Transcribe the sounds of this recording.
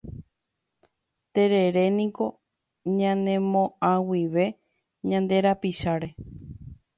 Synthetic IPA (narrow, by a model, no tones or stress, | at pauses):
t̪e̞ɾe̞ɾe̞nĩko̞ | ɲãnẽ̞mõãwiʋe̞ | ɲãnd̪e̞ɾapiʃaɾe̞